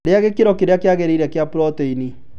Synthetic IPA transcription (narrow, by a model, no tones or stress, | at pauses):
ɾeaɣekeɾɔkeɾeakeaɣeɾeiɾɛakeapuɾɔteini